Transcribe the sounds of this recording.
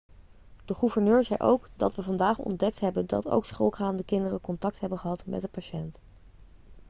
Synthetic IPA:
d̥əχuvəɹnøːɹzɛjʔo̰wkdɑ̰tʋəvɑndaːχɔ̰ndɛk̚tɦɛbəndɑ̰to̰wksχolˠχaːndəkɪndərəkɔntɑk̚tɦɛbənχəɦɑtmɛ̰tdəpaʃɛnt

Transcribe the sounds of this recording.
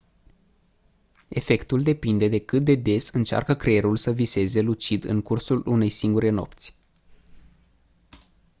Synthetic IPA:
e̞fe̞kt̪uld̪e̞pind̪e̞d̪e̞kɨt̪̚d̪e̞d̪e̞sɨnt͡ʃa̰rkəkɾeeɾulsəvise̞ze̞lut͡ʃid̪ɨ̰ŋkursulune̞jsiŋɡuɾe̞no̞̰pt̪sʲ

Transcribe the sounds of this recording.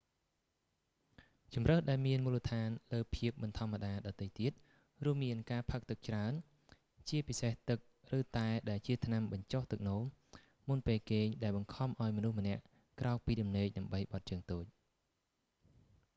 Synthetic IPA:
t͡ɕumrəhɗaɛlmiənmuːlət̪ʰaːnləːpʰiəp̚ɓɑnt̪ʰŏəmːaɗaːɗɑt̪əjt̪iət̪̚ | ruəmːiənkaːpʰək̚t̪ɨk̚t͡ɕraən | t͡ɕiəpiseht̪ɨk̚rɨːt̪aɛɗaɛlt͡ɕiət̪ʰnamɓɑɲt͡ɕoht̪ɨk̚noːm | munpeːlkeːɲɗaɛlɓɑŋkʰɑmʔaɔjmɔnuhmə̆nɛ̆əʔ | krʔaɔk̚piːɗɑmneːk̚ɗamɓəjɓɑt̪̚t͡ɕəːŋt̪oːc̚

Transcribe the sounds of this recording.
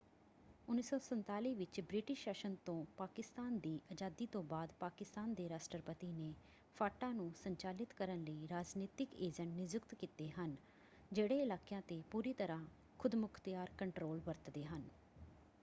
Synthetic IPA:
ʊnːiːsɔːsənt̪aːliːʋɪt͡ʃbɾɪʈɪʃːəʃənt̪õːpaːkɪst̪aːnd̪iːʔəd͡ʒaːd̪iːt̪õːbaːd̪paːkɪst̪aːnd̪eːɾaːsʈəɾpət̪iːneː | pʰaːʈãːnũːsəɲt͡ʃaːlɪt̪kəɾənləiːɾaːd͡ʒniːt̪ɪkeːd͡ʒəɳʈnɪzʊkt̪kiːt̪eːɦən | d͡ʒeːɽeːɪlaːkejãːt̪eːpuːɾiːt̪əɾãː | kʰʊd̪mʊkʰt̪ɪjaːɾkəɳʈɾoːlbəɾt̪d̪eːɦən

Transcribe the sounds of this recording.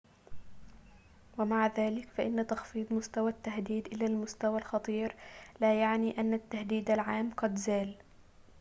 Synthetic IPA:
wamaʕðaːlɪkfaʔɪnːat̪ɑxfiːd̪ˤmʊst̪awat̪ːahd̪iːd̪ʔɪlaːlmʊst̪awalxɑt̪ˤiːɾlaːjaʕniːʔanːat̪ːahd̪iːd̪alʕaːmqɑd̪zaːl

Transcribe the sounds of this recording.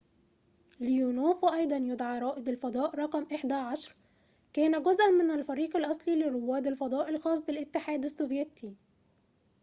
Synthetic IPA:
lɪjuːnoːfʔɑjd̪ˤɑnjʊd̪ʕɑːɾˤɑːʔɪd̪alfɑd̪ˤɑːʔɾˤɑqmʔɪħd̪æʕaʃɾˤ | kæːnæɡʊzʔænmɪnælfæɾiːqalʔɑsˤliːlɪrowːæːd̪alfɑd̪ˤɑːʔɪlxɑːsˤbɪlʔɪt̪ːɪħaːd̪asːovjet̪i

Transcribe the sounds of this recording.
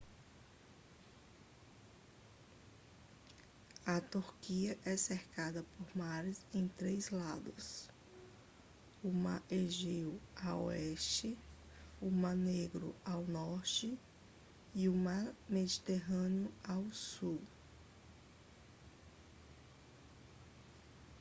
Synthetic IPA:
ɐt̪uɾkiɐʔɛseɾkad̪ɐpoɾmaɾɪzẽj̃t̪ɾejzlad̪ʊs | ʊmaɾʔeʒewao̰ɛʃt͡ʃɪ | ʊmaɾneɡɾʊ̰awnɔɾt͡ʃɪ | iʊmaɾmed͡ʒit̪eɦɐ̃neʊawsuw

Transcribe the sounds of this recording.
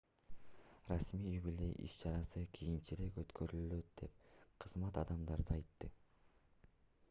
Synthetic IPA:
rɑsmiːjjybilʲeʔḭʃt͡ʃɑɾɑsɯkʰijint͡ʃiɾe̞køt̪kʰøɾylylø̞t̪̚d̪̥e̞p̚qʰɯzmɑt̪ɑd̪ɑmd̪ɑɾd̪ɯɑjt̪ːɯ

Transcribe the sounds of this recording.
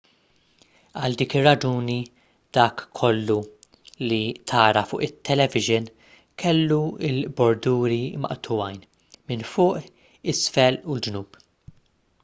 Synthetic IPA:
ɐld̪iːkɪrːɐd͡ʒuːni | d̪̥ɐːkʰːɔlːu | lit̪ʰɐːɾɐfʊːʔɪt̪ʰːɛlɛvɪʒɪn | kʰɛlːuɪlbɔɾd̪uːɾimɐ̰ʔt̪ʰʊwɐjn | mɪnfʊːʔ | ɪsfɛluld͡ʒnuːb

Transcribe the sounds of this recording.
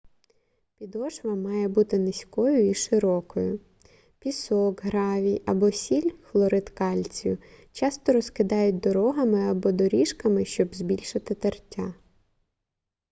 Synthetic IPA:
pʲid̪ɔʒʋɐmɑjɛbut̪ɪnɪsʲkɔjʊiʃɪɾɔkɔjʊ | pʲisɔkɦɾɑʋʲijɐbɔsʲilʲxlˠɔɾɪt̪kɑlʲt͡sʲjʊt͡ʃɑst̪ɔɾɔskɪd̪ɑjʊt̚ʲd̪ɔɾɔɦɐmɪɐbɔd̪ɔɾʲiʃkɐmɪʃt͡ʃɔbzbʲilʲʃɪt̪ɪt̪ɐrtʲːa

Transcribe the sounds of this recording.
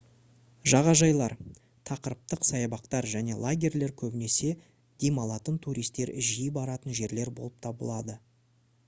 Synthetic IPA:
ʒɑʁɑʒɑjlˠɑɾ | t̪ʰɑqəɾəp̚t̪əqsɑjɑbɑqt̪ɑɾʒæne̞lˠaɡʲe̞rle̞ɾkʲʰɵbɪne̞se̞ | d̪̥emɑlˠɑt̪ənt̪ʰuɾijst̪e̞ɾʒijəbɑɾɑt̪ənʒe̞ɾle̞ɾbo̞lˠəp̚t̪ʰɑbə̰lˠɑd̪ə

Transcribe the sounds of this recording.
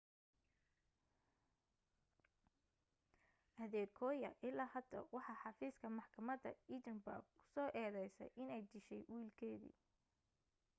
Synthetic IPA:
ʔɐðɛːkʰɔːjɐ̰ʔɪlaːhɐd̪ɐ̰wɑħɑħɑfiːskʰɐmɑħkʰɐmɐd̪ɐ̰it͡ʃɪnbɐ̰ɡkʰʊ̥sɔːʔɛːðɛjsɛ̰jʔɪnɛjd̪ɪʃɛjwiːlkʰɛːðḭː

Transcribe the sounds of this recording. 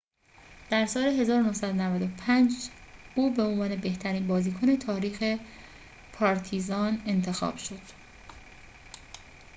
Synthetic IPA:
d̪̥æɾsɒːle̞ɦe̞zɒːɾonohsæd̪onævæd̪opʰænd͡ʒ | uːbe̞o̞nvɒːne̞be̞ht̪ʰæɾiːnbɒːziːkʰone̞t̪ʰɒːɾiːxe̞ | pʰɒːɾt̪ʰizɒːne̞nt̪ʰe̞xɒ̰ːb̥ʃo̞d̪̥

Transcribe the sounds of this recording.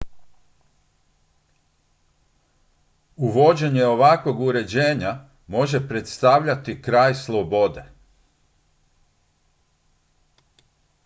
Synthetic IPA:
uʋo̞d͡ʑe̞ɲeo̞ʋakʋo̞ɡuɾe̞d͡ʑe̞ːɲa | mo̞ʒe̞pɾet̪st̪aʋʎat̪ikɾaːjslˠo̞bo̞d̪e̞

